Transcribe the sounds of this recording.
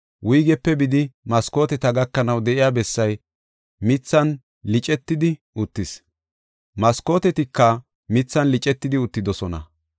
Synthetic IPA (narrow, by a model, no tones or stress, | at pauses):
wʔʊjɡɛpːɛbɪd̪ɪmɐsko̞ːt̪ɛt̪ɐɡɐkːɐnɐwd̪ɛʔɪjaːbɛsːɐj | mɪt͡sːɐn | lɪt͡ʃʼɛt̪ːɪd̪ɪʔʊt̪ːɪs | mɐsko̞ːt̪ɛt̪ɪkːɐ | mɪt͡sːɐnlɪt͡ʃʼɛt̪ːɪd̪ɪʊt̪ːɪd̪ɔsɔnɐ̰